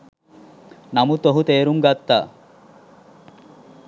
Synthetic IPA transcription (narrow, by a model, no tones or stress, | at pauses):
nɐmut̪oɦut̪eːɾumɡat̪ːa̰ː